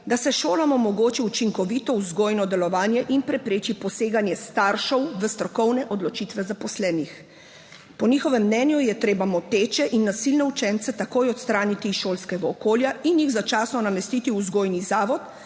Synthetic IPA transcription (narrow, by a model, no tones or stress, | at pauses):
d̪asɛʃoːlamɔmɔɡoːt͡ʃiut͡ʃiŋkɔʋit̪ɔuzɡoːjnɔd̪ɛlɔʋaːnjɛʔinpɾɛpɾeːt͡ʃipɔseːɡanjɛst̪aɾʃɔwʋəst̪ɾɔkɔwnɛʔɔd̪lɔt͡ʃiːt̪ʋɛzapɔslɛːnix | pɔnixɔʋɛmːnɛnjujɛt̪ɾeːbamɔt̪eːt͡ʃɛʔinːasilnɛut͡ʃɛnt̪sɛt̪akojɔt̪st̪ɾaːnit̪iʃoːlskɛɡaɔkoːljainjiɣzat͡ʃaːsnɔnamɛst̪it̪iuzɡoːjnizaːʋɔt̪